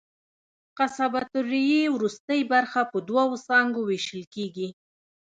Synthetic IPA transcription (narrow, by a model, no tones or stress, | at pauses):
qasabat̪ʊɾijewɾust̪əjbaɾxapəd̪wawosɑŋɡoweʃəlkeɡi